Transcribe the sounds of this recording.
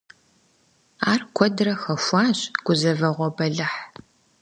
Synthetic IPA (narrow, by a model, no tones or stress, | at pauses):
aːrkʷʰɔdrɐxɐʃʷɑːɕʼɡ̥ʷʊzɐvɐʁʷɔbɐɮɨħ